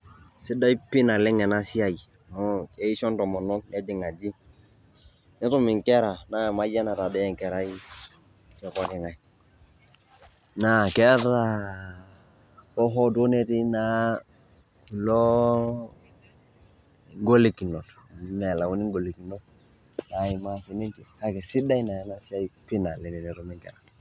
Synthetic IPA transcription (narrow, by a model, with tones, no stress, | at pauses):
sɪ˦da˦i˦pɪ˦na˨lɪ˦ŋɛ˨na˦si˦a˦˨ji˨ | mɔ˦ɛ˦i˦ʃɔ˦ntɔ˨mɔ˨nɔ˦nɛ˦dɪ˨ŋa˨d͡ʒi˦ | nɪ˦tʊ˦mɪ˨ŋkɛ˦ɾa˨na˦˨ma˦d͡ʒa˦na˨ta˨dɛ˦ɛ˨ŋkɛ˨ɾa˦i˦ | kɛ˨kwa˦kɛ˨ŋa˨i˨ | na˨kɛ˦ta˦ | ɔ˦ɦɔ˦do˦ne˦ti˦na˦ | ku˨lo˦ | ŋɡo˦le˨ki˨no˨t | mɛ˨la˨wu˦ni˦ŋɡo˨li˨ki˨no˦ | na˨ɪ˨ma˦si˨ni˦nt͡ʃi˨ha˦kɛ˨si˦da˦i˦na˨˦na˦sa˦pi˦na˨lɛ˨ɾi˨ni˨ɾʊ˨mɪ˨ŋkɛ̰˨ɾa˨